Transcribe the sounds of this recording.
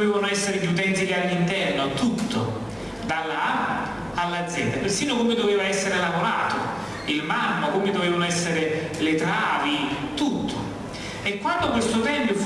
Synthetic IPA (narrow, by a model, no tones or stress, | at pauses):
veːvanoɛsːeɾeʎut̪̬ɛnt̪ilialːint̪ɛrnot̪ut̪ʰːo | d̪alːa | alːad̪zjɛnd̪apersiːnokomed̪oveːvaɛsːeɾelavoɾa̰ːt̪o | ilmamːakomed̪oveːvanoɛsːeɾe | lɪt̪ɾaːvit̪ut̪ʰːo | ekːwand̪okwest̪ot̪ɛmpjʊf